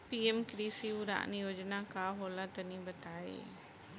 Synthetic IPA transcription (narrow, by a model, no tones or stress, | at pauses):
piːemkɾiːsiuɾa̰ːʔnijoːd͡ʒnakaɦoːlãt̪ɐnĩbɐt̪aːḛː